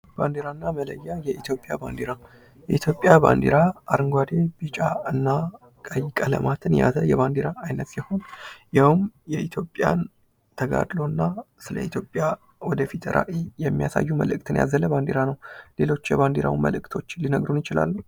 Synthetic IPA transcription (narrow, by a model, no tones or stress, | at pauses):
b̥and̪eɾanːamələ̰jːajɛit̪ʰjo̞pʼjaba̰nd̪eɾa | jɛit̪ʰjo̞pʼːjaba̰nd̪eɾaːɾɨŋɡwad̪e̞b̥ɨt͡ʃʼaɨnːa | kʼəjɪkʼələ̰mat̪ʰɨnja̰zəjɛβand̪eɾaːjnət̪jɛho̞njawmjɛit̪ʰjo̞pʼːja̰n | t̪ʰəɡa̰d̪lo̞nːasɨlə̰it̪ʰjo̞pʼːja | wɔd̪əfit̪ɾʔa̰ʔijɛmːijasa̰jːuməlɨkʼt̪ʰɨnja̰zələband̪eɾanəwle̞lo̞t͡ʃːjɛband̪eɾʔa̰wmə̰lɨkʼt̪ʰo̞t͡ʃːlinəɡɾunjɪt͡ʃɪla̰lːu